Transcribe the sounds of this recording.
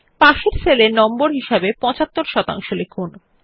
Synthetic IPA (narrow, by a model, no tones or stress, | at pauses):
paʃeɾselenɔmboɾɦiʃabepɔ̃t͡ɕat̪ːoɾʃɔt̪a̰ŋʃolekʰun